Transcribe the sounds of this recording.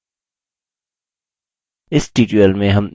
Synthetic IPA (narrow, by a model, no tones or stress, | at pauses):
ɪsʈiːʈiəlmẽɦɐ̃m